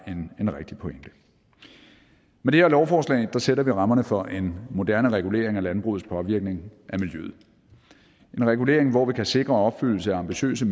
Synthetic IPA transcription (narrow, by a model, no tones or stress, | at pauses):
ene̝nʁɛɡ̥d̥ipʰo̽eŋd̥ə | med̥e̝hæɐlɒʊfɒːslɛ̰ɪd̥ɑ̈seɾɐʋiʁɑ̈mɐnəfɒ̽ʔe̝nmo̝d̥æɐnəʁɛɡ̥ule̝̰ːɐeŋælænb̥ʁṵːð̩ˠspʰɒ̽ʋiɐɡ̥̚ne̝ŋʔæmiljø̰ð̩ˠ | e̝nʁɛɡ̥ule̝̰ɐ̰eŋʋɒʋikʰæse̝ɡ̥ʁɐɒ̽b̥fyl̰l̩səæɑ̈mb̥iɕø̰ːs̬əm